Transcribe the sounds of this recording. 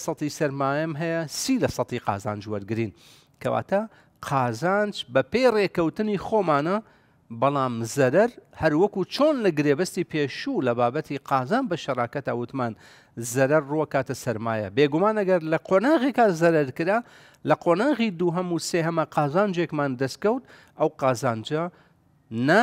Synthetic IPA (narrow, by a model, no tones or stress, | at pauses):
sɑt̪isɐɾmaːjɐmɦɛjɐsiːlɐsɑt̪iqɑ̰ːza̰ːnd͡ʒwɐɾɡɨɾiːn | kʰɐwa̰ːt̪a | qʰɑːzaːnd͡ʒbɐpeːjreːkɐwt̪ɨnixoːmaːnɐ | bɑlˠaːmzɐɾɐɾhɐɾwɐkut͡ʃʰoːnlɐɡɨɾeːbɐst̪iːpʰeːʃulɐbaːbɐt̪ʰiqʰɑːzaːnbɐʃɐrˤaːkɐt̪a̰wʊt̪maːn | zɐɾɐɾːuɐkaːt̪ɐsɐɾmaːjɐ̰beːɡumaːnɐɡɐɾlɐqʰoːnaːɣeːkazɐɾɐɾkɨɾaː | lɐqʰoːnaːɣid̪uːɦɐmuseːhɐmɐqʰɑːzaːnd͡ʒekmaːnd̪ɐst̪̚kɐwt̪̚ | ɐwqɑːzaːnd͡ʒɐ | na